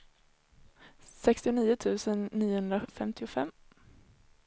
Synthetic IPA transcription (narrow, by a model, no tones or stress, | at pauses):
sɛkst̪ɪʊniːʊt̪ʰʉ̟ːsənːiːʊhɵnd̪ɾafɛmt̪ʰɪʊfɛmː